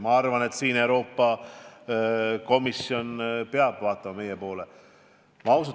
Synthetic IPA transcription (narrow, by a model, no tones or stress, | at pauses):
mɑɑrvɑne̞t̪siːne̞wɾo̞ːpːˑɑ | ko̞misio̞npeɑb̥vɑːt̪ːˑɑmɑme̞jepo̞ːle | mɑwsu